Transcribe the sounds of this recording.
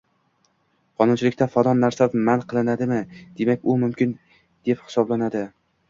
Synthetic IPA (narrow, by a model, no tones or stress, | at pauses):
qʰɒnʊnt͡ʃʰɪlɪkʲt̪afad̪ɒnːaɾsamanqʰɨlˠɪnad̪ɪmɪd̪̥e̞makʲʊmʊmkʲɪn | d̪̥e̞phɪ̥sɒblanad̪ɪ